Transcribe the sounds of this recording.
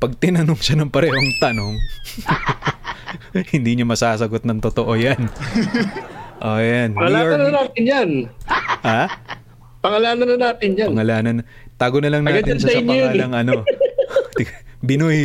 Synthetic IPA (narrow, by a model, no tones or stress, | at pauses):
pɐɡ̚t̪ɪnɐnoŋʃɐnɐŋpɐɾɛːɦo̞ŋt̪ɐno̞ŋ | hɪnd̪iːɲomɐsaːsɐɡo̞t̪̚nɐŋt̪ot̪oʔo̞jan | ʔoːjanpɐŋɐlanɐnaːt̪ɪnjanʔa | pɐŋɐlaːnɐnɐnaːt̪ɪnjaɐŋɐlaːnɐn | t̪aːɡonɐlɐŋnaɡːɐt̪ɪnsɐsɪɲɐjaːlɐŋʔɐno̞t̪ɪbɪnoj